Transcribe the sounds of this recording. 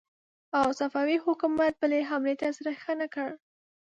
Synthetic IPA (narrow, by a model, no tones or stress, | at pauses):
awsafawihʊkumat̪̚bəleɦamlet̪asaɾaxənakəɽ